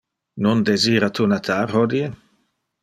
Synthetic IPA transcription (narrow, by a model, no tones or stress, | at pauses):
nond̪eziːɾat̪unat̪ʰaːɾhɔd̪ie